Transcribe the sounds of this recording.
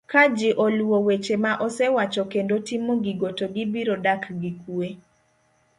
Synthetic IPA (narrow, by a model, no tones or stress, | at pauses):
kad͡ʒiʔoluwowet͡ʃemaʔɔsɛwat͡ʃokendotimoɡiɡotoɡibiɾodakɡikue